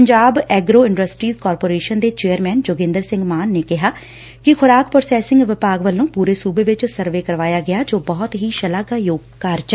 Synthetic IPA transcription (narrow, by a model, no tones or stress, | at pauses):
əɲd͡ʒaːbɛːɡɾoːɪɳɖəsʈɾiːzkɔːɾpoːɾeːʃənd̪eːt͡ʃeːəɾmɛːnd͡ʒʊɡɪ̃nd̪əɾsɪ̃ŋɡmaːnːeːkɪɦaː | kɪkʰʊɾaːkpɾosɛːsɪ̃ŋɡʋɪpaːɡʋəlːõːpuːɾeːsuːbeːʋɪt͡ʃsəɾʋeːkəɾʋaːjaːɡɪaːd͡ʒoːbɔːt̪ɦiːʃəlaːɡaːjoːɡ̚kaːɾt͡ʃ